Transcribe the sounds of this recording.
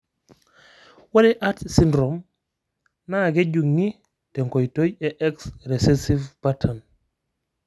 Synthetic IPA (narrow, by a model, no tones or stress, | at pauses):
waleʔatsindɾom | naɡeɟuŋːi | teŋkojtojeʔɛksɾesesivb̥atʰan